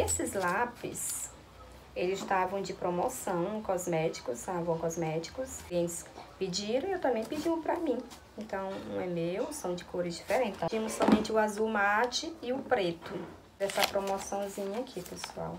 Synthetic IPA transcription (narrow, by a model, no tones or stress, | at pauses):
esɪzlapɪ̰s | elɪzst̪avɐ̃w̃d͡ʒɪpɾomɔsɐ̃w̃kɔzmɛt͡ʃi̥kʊst̪avɐ̃w̃kɔzmɛt͡ʃi̥kʊsiẽnt͡ʃ̪ɪ̥spɪd͡ʒiɾɐ̃w̃ewt̪ɐ̃mbẽj̃pid͡ʒiʊ̃pɾɐmĩ | ẽnt̪ɐ̃w̃ũɛmewsɐ̃w̃d͡ʒɪkʰoɾɪzd͡ʒifeɾẽt͡ʃɪĩɐ̃mʊsːɔmẽnt͡ʃɪʊazuwmat͡ʃɪɪʊpɾet̪ʊ | d̪ɛsɐpɾomɔsɐ̃w̃zĩɲɐakʰipesua̰w